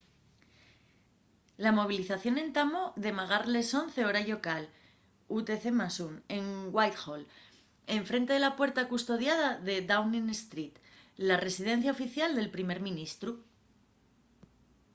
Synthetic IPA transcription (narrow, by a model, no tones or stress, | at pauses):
lamo̞β̞iliθaθjo̞ne̞nt̪amoðe̞maɣ̞aɾle̞so̞n̟θe̞o̞ɾaʝo̞kal | ut̪e̞θe̞masune̞ŋɡwajt̪xol | e̞ɱfɾe̞nt̪e̞ð̞elapwe̞ɾt̪akust̪o̞ðjað̞aðe̞d̪awninest̪ɾit̪ | lare̞siðe̞n̟θjao̞fiθjald̪e̞lpɾime̞ɾmĩnist̪ɾu